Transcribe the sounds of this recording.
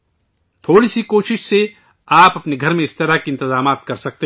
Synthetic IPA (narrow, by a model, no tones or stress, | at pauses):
t̪ʰoːɽisikoːʃɪʃse | aːpɐpneɡʱɐɾmẽɪst̪ɐɾakiɪnt̪ɪzaːmaːt̪̚kɐɾsɐk̚t̪e